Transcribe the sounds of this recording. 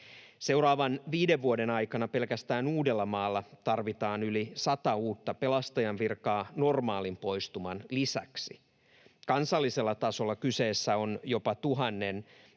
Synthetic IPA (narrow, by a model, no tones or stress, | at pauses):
se̞wɾɑːʋɑnʋiːdeʋːuode̞nɑjkɑnɑpe̞lkæst̪æːnuːdelːɑmɑːlːɑt̪ɑrʋit̪ɑːnylisɑt̪ɑuːt̪ːɑpe̞lɑst̪ɑjɑnʋirkɑːno̞rmɑːlimpo̞jst̪umɑnlisæ̰ksi | kɑnsɑlːise̞lːɑt̪ɑso̞lːɑkyse̞ːsːæo̞njo̞pɑt̪uɦɑnːen